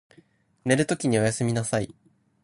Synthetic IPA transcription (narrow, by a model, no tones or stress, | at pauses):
ne̞ɾɯ̟t̪o̞kʲiɲ̟io̞jasɨmʲinasai